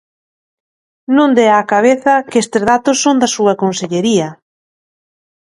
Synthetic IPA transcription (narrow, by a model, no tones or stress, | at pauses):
nõnd̪eaːkaβ̞eθɐkest̪ɪzðat̪ʊsːond̪asuɐkonseʎeɾiɐ